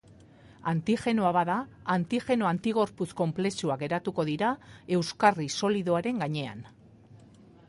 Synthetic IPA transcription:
ant̪ixe̞noaβaðaːnt̪iʝe̞no̞ant̪iɣo̞ɾpusko̞mple̞suaɣe̞ɾat̪uko̞ðiɾae̞wskariso̞liðo̞aɾe̞ŋɡaɲe̞a̰n

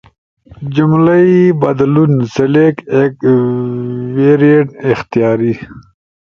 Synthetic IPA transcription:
d͡ʑumlaibɐd̪lunselekek | weːɾieʈɪxt̪ijɑːɾi

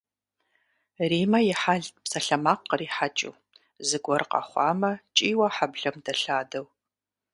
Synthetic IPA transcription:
riːmɐjɪħaɮpsɐɬɐmaːqːəriːħat͡ʃʼɪ̰w | zɨɡʷɔrqɐ̰χʷɑːmɐt͡ʃʼiːwɐħabɮɐmdɐɬaːdɐw

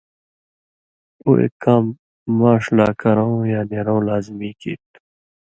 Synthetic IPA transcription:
o̰ḛkaːmː | aːʂlaːkɐɾãwjaːneɾõːlaːzmiːkḭːt̪

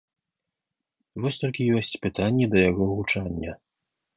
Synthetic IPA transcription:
vɔsʲt̪ɔlʲkʲijɔsʲt͡sʲpɨt̪anʲːɛd̪ɐjaɣɔɣut͡ʂanʲːɐ

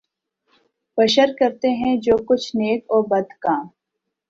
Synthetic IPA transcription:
bɐʃəɾkɐɾt̪eɦɛ̃d͡ʒoːkʊt͡ʃʰneːkɔːbɐd̪kaː

